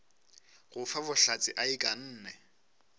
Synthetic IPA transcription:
ɣʊfabʊɬat͡sʼɪʔaɪkʼan̩ːnɛ

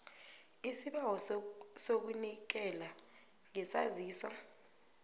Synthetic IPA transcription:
isiɓawɔsok̬unik̬ɛla | ŋɛsa̰ziːsa

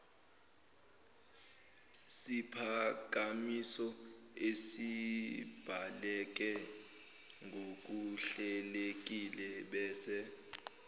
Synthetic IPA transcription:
sipʰak̬ʼamisɔesi | b̥ʱalɛk̬ɛ | ŋɡʱok̬ʼuɬɛlek̬ʼilɛɓɛːsɛ

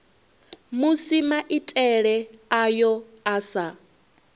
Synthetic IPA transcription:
musimaʔitʼɛɺɛajɔ | asa

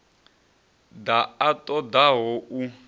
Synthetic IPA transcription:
d̪aatʼɔd̪aɦɔʔu

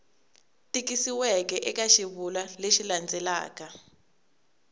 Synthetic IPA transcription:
tʼikisiwɛk̬ɛʔɛkaʃiβulaleʃiland͡zʱɛla̰ːka

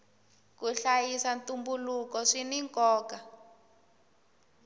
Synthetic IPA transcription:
kuɬajisantumbulukɔʂiniŋkɔːka

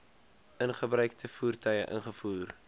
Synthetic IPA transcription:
ənχəbrœɥktʰəfuːrtœjəʔə̰nχəfuːr

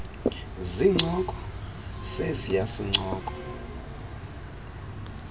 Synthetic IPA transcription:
ziŋ͡ǀʱɔkʼɔ̥sesijasiŋ͡ǀʱɔːkʼɔ̥

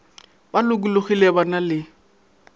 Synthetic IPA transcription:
balʊkulʊχilɛbanalɪ

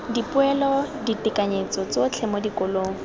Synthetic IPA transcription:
dipʊɛlɔditɪkaɲet͡sɔt͡sot͡ɬʰɛmɔdikoloːŋɔ

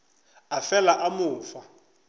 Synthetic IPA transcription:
afɛlaʔamʊːfa

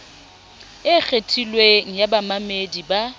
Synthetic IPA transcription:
ɪk͡xʰetʰʼilweŋ̩jabamamediba

